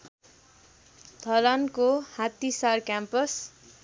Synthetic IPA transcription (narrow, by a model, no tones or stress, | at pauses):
t̪ʰʌlankohat̪isarkjampʌs